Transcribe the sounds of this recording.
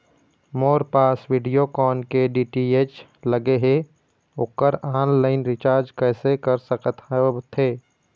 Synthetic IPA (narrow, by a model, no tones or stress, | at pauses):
moːɾpaːsʋiːɖijokɔːnkeɖiːʈieːt͡ʃ | ləɡeɦe | ʊkːəɾaːnlaːɪnɾɪt͡ʃaːɾd͡ʒkɛːsekəɾsəkət̪ʰaot̪ʰeː